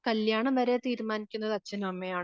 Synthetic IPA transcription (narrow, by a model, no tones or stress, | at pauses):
kɐljaːɳɐmʋɐɾe̞t̪iːɾmaːnikʲːunːɐðɨɐt͡ɕːɐnɐmɐmːɐjaːɳ